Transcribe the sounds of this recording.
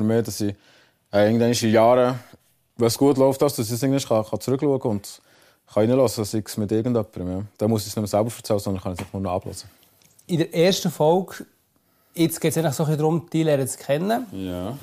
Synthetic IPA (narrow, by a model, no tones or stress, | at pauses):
əɾmeːdɑsi | ɛɪːɡənd̪ɛɪnɪʃijɑːɾə | ʋɛsɡ̥uətlɔʊftdɑsd̥ɑsisɪɡŋnd̪ɪʃχɑχɑt͡sɾʏkluəɡəʊnd̥ | χɑinəlɔsədɑsiksmɪtɪɾɡən̩dœpːəɾəmjɑd̥ɛmuəsisnɵməsælbəɾfəɾt͡sɛlːəsɔndənχɑnisɪχnʊːnɔɑ̰b̥lɔ̰sə | ɪdəɾɛːɾʃtəfɔlɡ | ɪt͡sɡ̥ɛːtt͡sɛɪnləχsoχlidɾʊmd̥ilɛːɾət͡skʰɛnːə